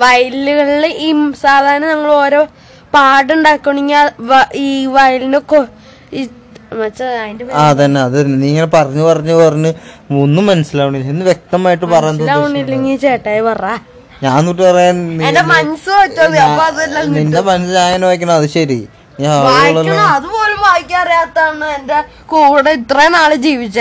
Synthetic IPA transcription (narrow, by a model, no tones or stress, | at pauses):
ʋɐjluɣɐɭileʔiːsaːd̪ʱaːɾɐnɐnɐŋːɐɭo̞ːɾo̞ː | paːɽuɳɖaːkːuɳiŋːaʋiːʋɐjlindeko | i | mɐsɐajndeaːt̪ɐnːeɐðɨniːŋːɐnepɐrɐɲːupɐrɐɲːupɐrɐɲːɨonːumɐnɐsilaːʋuɳːilːinːɨʋjek̚t̪ɐmaːjiʈːɨmpɐrɐjɐolaːʋuɳːilːɐŋiːt͡ɕeːʈːaːjipɐraː | ɲaːnniʈ̬ːɨpɐrɐjaːniendemɐnɐsɨʋɐt͡ɕːɐðɨɐːɐðɐlːɐnindemɐnɐsɨd͡ʑaːjɐnʋaːjikʲːɐɳɐmɐðɨɕɐɾi | niɐðaːoɭːɐɐɐɐðubo̞ːlumʋaːjikʲːɐɐrijaːt̪ːaːɳːɨende | kuːɽeit̪rɐnaːɭɨd͡ʑiːʋit͡ɕːɨ